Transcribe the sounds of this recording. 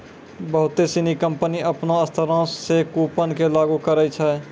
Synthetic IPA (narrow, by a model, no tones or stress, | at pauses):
bəɦʊt̪esinikə̃mpəniəpnaəst̪ʰəɾãːsːekuːpənkelaːɡukəɾəit͡ʃʰɛ